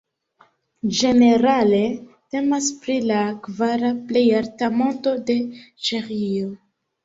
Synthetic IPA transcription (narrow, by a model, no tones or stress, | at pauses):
d͡ʒe̞ne̞ɾale̞te̞maspɾilakvaɾaple̞jaɾtamo̞nto̞de̞t͡ʃeʁio